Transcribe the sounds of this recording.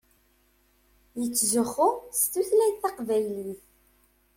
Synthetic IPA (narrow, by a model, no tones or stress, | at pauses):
jət͡sːʒəχːʊst̪uθlæjθɑqvæjliθ